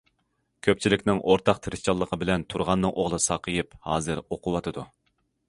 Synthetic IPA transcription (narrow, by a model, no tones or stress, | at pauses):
kʲʰøp̚t͡ʃʰilɪkʲnɪŋʔoɾt̪ʰɑq̚t̪ʰɨɾɨt͡ʃʰɑlˠːəqʰəbɪlɛnt̪ʰuɾʁɑnːɨŋʔoʁlˠɨsɑqʰəjɨphɑːzɨɾoqʰʊwɑt̪ʰɨd̪u